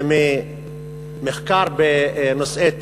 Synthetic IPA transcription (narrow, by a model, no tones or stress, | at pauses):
mɪ | mɪxkɑːɾˤbɪnʊsˤʔeːt̪ː